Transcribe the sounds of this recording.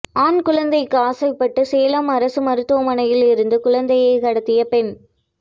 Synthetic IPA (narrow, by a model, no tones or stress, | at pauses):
aːnkʊɻɐnd̪ɐɪkːɯaːsɐɪpːɐʈːɯseːlamɐɾɐsɯmɐɾɯt̪ːɯʋɐmɐnɐjɪlɪɾɯnd̪ɯkʊɻɐnd̪ɐjɐɪkɐɽɐt̪ːɪjɐpɛn